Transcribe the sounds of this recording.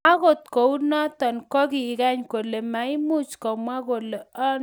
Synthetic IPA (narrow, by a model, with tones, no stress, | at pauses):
a˦ɣo˨t̪ko˨u˦nɔ˦t̪ɔ˨nkɔ˦ki˨ka˦ɲko˨le˨ma˨i˦mu˦t͡ʃkɔ˨mwa˦ko˨le˨ɔ˦n